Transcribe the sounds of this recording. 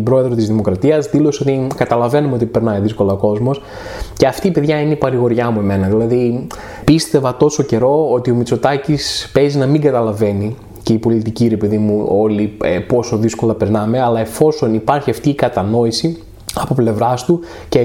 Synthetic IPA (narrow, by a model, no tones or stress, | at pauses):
bɾo̞e̞ðɾot̪izðimo̞kɾɐt̪iɐzðilo̞seot̪ikɐt̪ɐlɐve̞numeo̞t̪ipe̞ɾnɐmeðisko̞lɐoko̞zmo̞s | ce̞ɐft̪iːpe̞ðʝɐineipɐɾiɣo̞ɾʝɐmue̞me̞nɐðilɐði | pist̪e̞vɐt̪o̞so̞ce̞ɾo̞o̞t̪io̞mit͡sot̪ɐcispe̞zinɐmiŋɡɐt̪ɐlɐve̞ni | ceipo̞lit̪iciɾe̞pe̞ðimuo̞liepo̞so̞ðisko̞lɐpe̞ɾnɐme̞ɐlɐe̞fo̞so̞nipɐɾçiɐft̪iːkɐt̪ɐno̞isi | ɐpo̞ple̞vɾɐst̪u | ce̞